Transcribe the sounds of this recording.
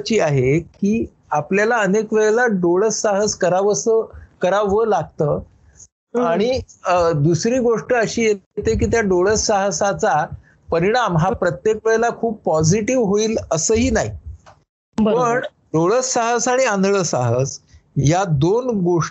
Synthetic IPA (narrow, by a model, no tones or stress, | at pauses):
t͡ɕiːaɦekiː | apljalaənekʋeɭlaɖoɭəsːaɦəskəɾaʋəsəkəɾaʋəlaɡ̚t̪əː | aɽ̃id̪usɾiːɡoʂʈəəɕiːjet̪ek̬iːt̪jaɖoɭəsaɦsat͡sa | pəɾiɽ̃amɦapɾət̪jekʋeɭelakʰuːb̚pɔd͡ziʈiʋɦoiːləsəːɦiːnaɦi | pəɳ | ɖoɭəsːaɦəsaɽ̃iãnd̪ʱɭəːsaɦəsjad̪onɡoʂ